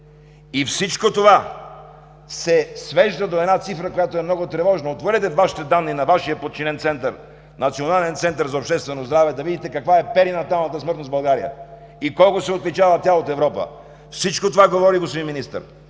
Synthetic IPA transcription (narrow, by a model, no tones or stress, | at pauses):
ifsit͡ʃkot̪ova | sɛsvɛʒd̪əd̪oɛd̪nat̪sifɾəkojat̪oɛmnɔɡot̪ɾɛvɔʒnɐot̪voɾɛt̪ɛvaʃi̥t̪ɛd̪anːinɐvaʃijəpot̪̚t͡ʃinɛnt̪sɛnt̪əɾ | nɐt̪sionalɛnt̪sɛnt̪əɾzɐopʃt̪ɛst̪vɛnozd̪ɾavɛd̪ɐvid̪it̪ɛkɐkvaɛpɛɾinɐt̪alˠnət̪əsmɤɾt̪nozbɐlˠɡaɾḭjə̰ | ikɔlˠkʊsɛot̪lit͡ʃavət̪jalˠot̪ɛvɾɔpə̰ | fsit͡ʃkot̪ovaɡovɔɾiɡospod̪iminist̪ə̰ɾ